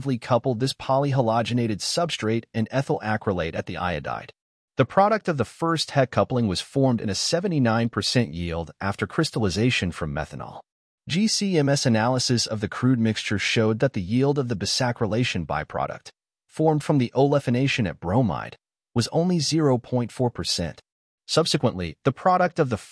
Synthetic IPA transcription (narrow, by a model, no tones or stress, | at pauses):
vlikʰʌpl̩ˠd̪̚ðɪspʰɑlˠiɦəlɑd͡ʒɨneɪɾɨd̥sʌb̥stɹ̥eɪɾɨ̃nɛθl̩ˠʔækɹəleɪɾɨt̪̚ðiʔa̰ɪɨ̰da̰ɪd̥̚ | ðɨpʰɹ̥ɑɾɨk̚tʌvðɨfɜ˞st̚hɛd̚kʰʌplˠɪ̃ŋwʌz̥fɔɹmdɨ̰̃nɨsɛvɨ̃ntinãɪ̃npʰə˞sɛ̃nʔjilˠdʔæftə˞kʰɹ̥ɪstl̩ˠəzeɪʃɨ̃nfɹʌ̃mːɛ̰θə̃nə̰lˠ | d̥d͡ʒisiɛ̃mɛsɨnælˠəsɨsʌvðɨkʰɹ̥ʉd̚mɪkst͡ʃə˞ʃoʊd̪̚ðɨt̪̚ðɨjilˠdʌvðɨbɨsækɹəleɪʃɨ̃nba̰ɪpʰɹ̥ɑ̰ɾɨ̰k̚t | fɔɹmd̥fɹʌ̃mðiʔoʊlɛfɨneɪʃɨ̃nɨ̰t̚b̥ɹõʊ̃ma̰ɪd̥̚ | wʌzõ̰ʊ̃nlizɪɹoʊpʰɔ̃ɪ̃ntfɔɹpʰə˞sɛ̰̃nt | sʌb̥sɨkwə̃nʔliðɨpʰɹ̥ɑɾɨk̚tʌvðɨ